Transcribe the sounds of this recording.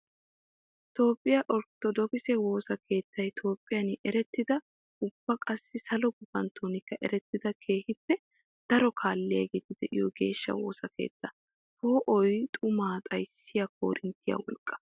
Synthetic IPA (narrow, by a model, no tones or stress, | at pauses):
t̪o̞ːpʼːɪjɐʔɔɾt̪ːɔd̪ɔkɪsɛwo̞ːsɐkʰe̞ːt̪ːɐjt̪ʰo̞ːpʼːɪjɐnʔɛɾɛt̪ːɪd̪ɐ | ʊb̥ːɐkʼɐsːɪsɐlɔɡʊbɐnt̪ʰoːnɪkːɐʔɛɾɛt̪ːɪd̪ɐkʰe̞ːhɪpːɛ | d̪̥ɐɾɔkʰaːlːɪjɐɡeːt̪ɪd̪ɛʔɪ̰jɔɡe̞ːʃːɐ̰woːsɐke̞̰ːt̪ːɐ | toːʔɔjt̪ʼʊmaːt̪ʼɐjsːɪjɐkʰo̰ːɾʔɪnt̪ːɪjɐ̰wɔ̰lkʼːɐ̥